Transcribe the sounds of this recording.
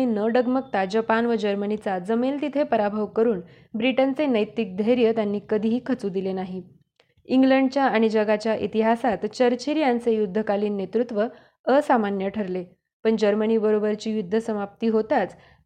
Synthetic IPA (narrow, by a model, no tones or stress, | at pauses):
inəɖəɡmək̚t̪ad͡ʑəpanʋəd͡ʑəɾmənit͡sad͡zəmelt̪it̪ʰepəɾabʱəʋkəɾuːn | bɾiʈənt͡senəjt̪ik̚d̪ʱəɦjɾjət̪janːiːkəd̪ʱiɦiːkʰət͡suːd̪ilenaɦi | iŋɡləɳɖ̚t͡ɕjaaɽ̃id͡ʑəɡat͡ɕjaʔḭt̪iɦasat̪t͡ɕəɾt͡ɕʰiɾjant͡sejud̪ʱːəkaliːnːet̪ɾut̪ʋə | əsamanjəʈʰəɾle | pəɳd͡ʑəɾməniːbəɾobəɾt͡ɕiːjud̪ʱːəsəmap̚t̪iːɦot̪at͡s